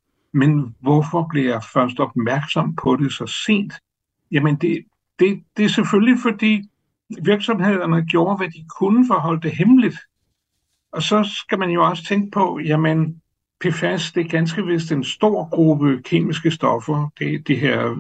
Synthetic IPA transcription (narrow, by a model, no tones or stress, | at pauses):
menʋɒfɒ̽b̥liɐjɑ̈ɪfɶɐsd̥ɒ̽b̥mæɐɡ̥sɒ̽m̰pʰɒ̽ɾe̝sɒ̽se̝̰ːnd̥ | jæmənd̥e̝ | d̥e̝d̥e̝ɐseføllifɒ̽d̥ḭː | ʋiɐɡ̥sɒ̽mhe̝ð̞̰ˠɐnəɡ̥jo̝ːɐʋæd̥ikʰunəfɒɦɒ̽l̰d̥e̝ɦemlid̥ | ɒ̽sɒ̽sɡ̥æmænjo̝ɒ̽sə̥t͡sʰeŋɡ̥əpʰɒ̽jæmən | pʰefæsd̥e̝ɡ̥ænsɡ̥əʋe̝sd̥ensd̥o̝ɐ̰ɡ̥ʁub̥əkʰe̝̰ːmisɡ̥əsd̥ɒ̽fɐd̥e̝d̥iɦeɐ̰